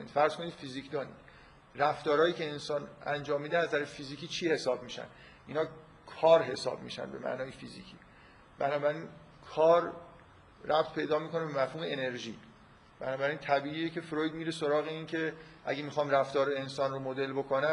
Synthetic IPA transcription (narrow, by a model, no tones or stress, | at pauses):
nḭːd̪fæɾz̥ko̞niːd̪̥fizicʰd̪ɒːnḭ | ræft̪ɒːɾɒːjiːcʰeːnsɒːnæ̰nd͡ʒɒːmːiːd̪enæzæɾefiːziːkʰiːt͡ʃʰiːhe̞sɒːbmiːʃæ̰n | ʔinhɒː | kʰɒːɾɦe̞sɒ̰ːb̚mḭʃæ̰nbe̞̰mæ̰ʔnɒːjefḭzḭːcʰḭː | bænɒːbæɾin | kʰɒːɾː | æb̚t̪ʰpʰe̞jd̪ɒːmiːkʰo̞nebemæfhuːme̞ene̞ɾʒḭː | b̥ænɒːbæɾint̪ʰæbiːʔiːjecʰe̞fɾojd̪miːɾesoɾɒːɣeincʰe̞ʔæ̰ɡemixɒːmræft̪ɒːɾensɒːnromod̪e̞lbo̞kʰonæ